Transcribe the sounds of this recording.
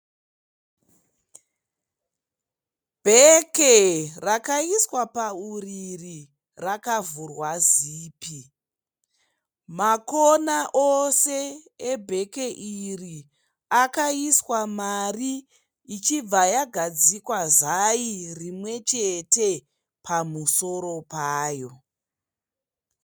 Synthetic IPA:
bʱekerakaiswapauriri | rakavurwaziːpi | makonaʔoseebʱe̞ke̞ʔiri | akaiswamariː | t͡ʃib͡vajaɡʱad͡zikwazairimwe̞t͡ʃe̞te̞ | pʰamuso̞ɾo̞paːjo̞

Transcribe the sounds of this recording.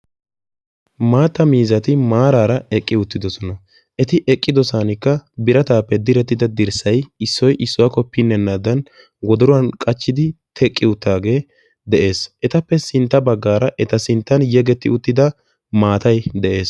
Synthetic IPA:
maːt̪ːɐmiːzɐt̪ɪmaːɾaːɾɐɛkʼːɪʊt̪ːɪd̪ɔsɔnɐ | ʔɛt̪ɪʔɛkʼːɪd̪ɔsaːnɪkːɐbɪɾɐt̪aːpːɛd̪ɪɾɛt̪ːɪd̪ɐd̪ɪɾsɐjɪsːɔjʔɪsːʊwakɔpːɪnːɛnːaːd̪ɐn | ɡɔd̪ɔɾʊwɐnkʼɐt͡ʃːɪd̪ɪt̪ʰɛkʼːɪʊt̪ːaːɡe̞ː | d̪ɛʔe̞ːsʔɛt̪ɐpːɛsɪnt̪ːɐbɐɡːaːɾɐʔɛt̪ɐsɪnt̪ːɐnjɛɡɛt̪ːɪ̰ʊt̪ːɪd̪ɐ | maːt̪ɐjd̪ɛʔe̞ːs

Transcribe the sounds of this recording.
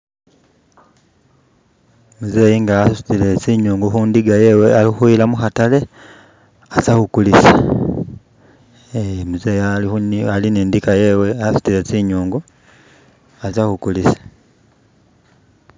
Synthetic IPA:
muze̞ːjiŋɡasusu̥tile̞t͡siɲuːŋɡuxuːndiɡajeːwealixuilamuxatale̞ | asahukulisa | muze̞ːjaliualineːndikajeːwe̞asu̥tilet͡siɲuːŋɡu | asahukulisḁ

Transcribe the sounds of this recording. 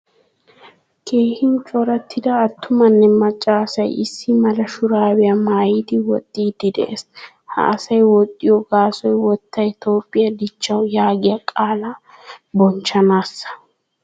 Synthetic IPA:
kʰe̞ːhɪnt͡ʃʼɔɾɐt̪ʰːɪd̪ɐːt̪ːʊmɐnːɛmɐt͡ʃʼːaːsɐjɪsːɪmɐlɐʃʊɾaːwɛjɐmaːjiːd̪ɪwɔ̰t̪ʼːiːd̪ɪd̪ɛ̰ʔes | hɐ̰ʔːsɐjwɔt̪ʼːɪjɔɡaːsɔjwɔt̪ːɐjt̪o̞ːpʼːɪjɐd̪ɪt͡ʃːɐwjaːɡɪjɐkʼaːla | bɔnt͡ʃɐnaːsːɐ̥

